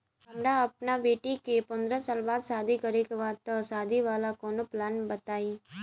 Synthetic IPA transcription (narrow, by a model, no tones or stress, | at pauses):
ɦɐmɾaɐpnabeːʈikepɐ̃nd̪ɾəsaːlbaːd̪saːd̪ʱikəɾekʋaːt̪ːɔsaːd̪ʱiʋaːlakoːnoplaːnbət̪aːiː